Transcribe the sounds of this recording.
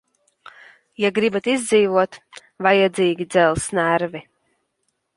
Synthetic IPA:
jaɡɾibat̪izd̪ziːvuɔt̪ | vajad̪zʲiːɡʲid̪zɛlˠsnæɾvi

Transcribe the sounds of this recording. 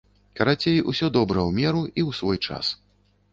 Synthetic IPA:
kɐɾat͡sʲejʔusʲɔd̪ɔbɾɐwmʲɛɾuiwsvɔjt͡ʂa̰s

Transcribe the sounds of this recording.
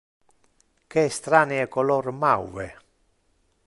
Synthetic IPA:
keːst̪ɾaːneekolɔɾmawvḛ

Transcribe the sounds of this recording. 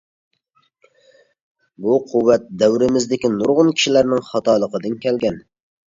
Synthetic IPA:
buqʰuwːæt̪̚d̪æwɾɪmɪzd̪ɪkʲinʊɾʁʊnkʲʰi̥ʃilæɾnɪŋχɑt̪ɑlˠəqəd̪ɨnkʲʰɛlɡʲɛn

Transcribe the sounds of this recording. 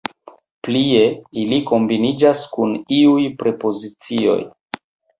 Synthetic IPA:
plie̞iliko̞mbinid͡ʒaskuniujpɾe̞po̞zit͡sio̞̰j

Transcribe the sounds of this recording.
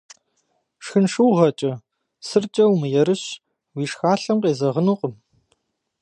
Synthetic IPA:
ʂxɨnʂɨwʁɐt͡ʃʼɐ | sɨrt͡ʃʼɐwmɨjɛɾɨɕ | wiːʂxaːɬɐmqeːzɐʁənuːqʼəm

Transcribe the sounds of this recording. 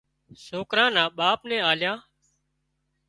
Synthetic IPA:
soːkɾãːnãːɓaːpnɛ̃ːaːljãː

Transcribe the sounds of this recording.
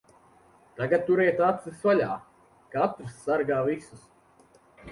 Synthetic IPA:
t̪aɡat̪̚t̪ːuɾɛjt̪at̪sɨsvalʲaː | kat̪ɾsːaɾɡaːvisus

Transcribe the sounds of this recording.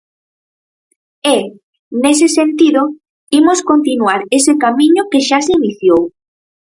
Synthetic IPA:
e | nesesent̪iðo | imoskont̪inuaɾesekamĩɲʊkeʃasiniθjow

